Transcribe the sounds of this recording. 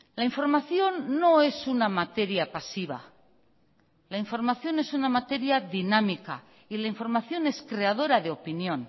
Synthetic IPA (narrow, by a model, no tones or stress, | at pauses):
laiɱfo̞ɾmaθjo̞nːo̞e̞sunamat̪e̞ɾjapasiβa̰ | laiɱfo̞ɾmaθjo̞ne̞sunamat̪e̞ɾjaðinamika̰ | ilaiɱfo̞ɾmaθjo̞ne̞skɾe̞að̞o̞ɾaðeo̞pinjõ̞n